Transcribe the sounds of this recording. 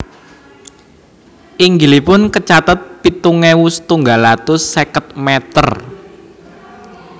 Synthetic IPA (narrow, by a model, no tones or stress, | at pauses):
ʔiŋɡilipʊnkət͡ʃat̪ət̪̚pit̪uŋewusə̥t̪uŋɡalat̪ʊsekət̪̚mɛt̪ər